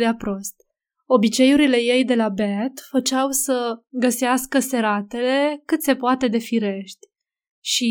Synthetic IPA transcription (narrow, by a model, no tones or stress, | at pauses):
d̪eapɾo̞st̪̚ | o̞bit͡ʃe̞juɾile̞je̞jd̪e̞labet̪fət͡ʃawsəɡəseaskəse̞ɾat̪e̞le̞kɨt̪se̞poat̪e̞d̪e̞fiɾe̞ʃt̪ʲ | ʃi